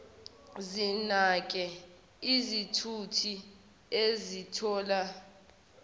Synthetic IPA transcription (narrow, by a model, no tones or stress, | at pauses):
zinak̬ʼɛ | izitʰutʰi | ezitʰɔːla